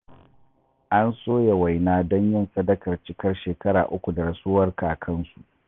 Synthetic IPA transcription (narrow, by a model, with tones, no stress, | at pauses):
ʔa˦nsoː˦ja˨wa˨jnaː˦dɔ˦ɲjɪ˦nsɐ˦dɐ˦kɐ˨rt͡ʃɪ˦kɐ˦rʃeː˨kɐ˦ɽa̰ː˨ʔʊ˦kʷu˨da˨ɾɐ˨suː˦wɐ˦rka˨kʰɐ˦nsu˨ʔ